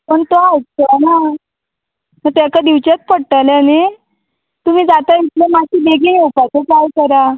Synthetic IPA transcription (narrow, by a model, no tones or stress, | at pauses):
pəɳt̪oatəna | məɾt̪akad̪iʋt͡ɕet͡spəɽʈ̪aljane | t̪um̤iːd͡zat̪ait̪lemaɕiːbeɡiɦewpat͡sepalkəɾa